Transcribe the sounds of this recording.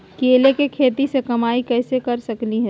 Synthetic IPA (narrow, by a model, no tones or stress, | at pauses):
keːlekekʰeːt̪isekɐmaːikɛːsekɐɾsɐkliɦɛ̃